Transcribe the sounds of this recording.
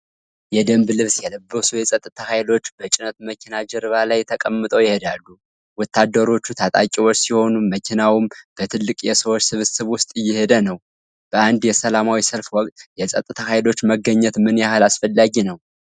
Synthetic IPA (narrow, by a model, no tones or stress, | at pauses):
jɛd̪əmblɨβsjɛləbːəsujɛsʼət̪ʼːɨt̪ʰahajlo̞t͡ʃːbət͡ʃʼɪnət̪məkʰinad͡ʒɛɾɨβalajt̪ʰəkʼəmːɨt̪ʼəwjɪhe̞d̪alːu | wɔt̪ʰːad̪ːəɾo̞t͡ʃːut̪ʰat̪ʼa̰kʲʼiwot͡ʃːsiho̞numəkʰinawimb̥ət̪ʰɨlːɨkʼjɛsəwot͡ʃːsɨβɨsɨβwʊst̪ʼɨjːɪhe̞d̪ənəw | b̥əand̪jɛsəlamawisəlfwɔkʼt̪ʼjɛsʼət̪ʼːɨt̪ʰahajlo̞t͡ʃːməɡəɲːɛt̪mɨnjahɨlasfəlːaɡinəw